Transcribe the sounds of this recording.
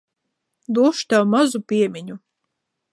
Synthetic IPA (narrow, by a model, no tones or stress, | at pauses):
d̪uɔʃt̪awmazupʲiɛmʲiɲu